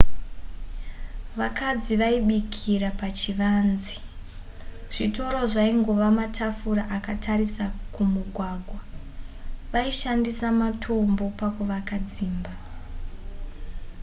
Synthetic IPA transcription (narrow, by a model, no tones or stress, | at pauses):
ʋakad͡ziʋaiɓikʰiɾapat͡ʃiʋaːnzi | ʐ̥ito̞ɾo̞ʐaiŋɡo̞ʋamatʰafuɾaʔakatʰarisakumuɡʱwaɡʱwa | ʋaiʃandisamatʰo̞mbo̞pakuʋakad͡ziːmba